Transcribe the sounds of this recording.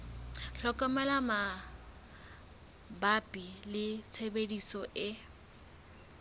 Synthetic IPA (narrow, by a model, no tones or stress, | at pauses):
ɬɔkʼɔmɛlama | bapʼilɪt͡sʰebedisɔʔɪ